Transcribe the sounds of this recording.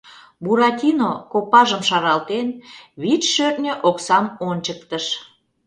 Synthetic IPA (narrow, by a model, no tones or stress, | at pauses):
buɾɑt̪ʲinokopɑʒəmʃɑɾɑlt̪enβit͡ʃʃørnʲøʔoksɑmonʲt͡ɕək̚t̪əʃ